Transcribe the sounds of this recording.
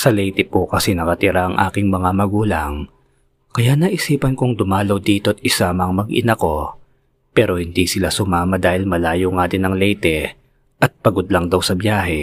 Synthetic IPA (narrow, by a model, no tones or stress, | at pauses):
sɐlɛjt̪ɛpokɐsɛnɐkɐt̪ɪɾaʔɐŋʔa̰ːkɪŋmɐŋamɐɡuːlɐŋ | kɐjaʔnɐʔɪsiːpɐnkoŋd̪ʊmaːlowd̪iːt̪o̞ʔɐt̪̚ʔɪsamɐŋmɐɡʔɪ̰nɐko̞ | pɛːɾo̞hɪnd̪iːsɪlasʊmaːmɐd̪aːhɪlmɐlaːjoŋaːd̪ɪnɐŋlɛjt̪ɛ | ʔɐt̪̚pɐɡod̪lɐŋd̪ɐwsɐbjaːɦɛ